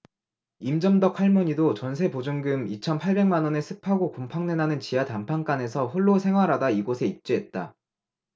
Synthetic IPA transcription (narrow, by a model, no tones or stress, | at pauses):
imd͡ʑʌmdʌk̚ʰaɭmʌɲidot͡ɕʌnsʰe̞pod͡ʑuŋɡɯmit͡ɕʰʌnpʰaɭbe̞ŋmanwʌne̞sʰɯpʰaɡokompʰaŋne̞nɦanɯnt͡ɕijatampʰaŋk͈ane̞sʰʌɸoɭːosʰe̞ŋɦwaɾadaiɡosʰe̞ip̚t͡ɕ͈eet̚t͈a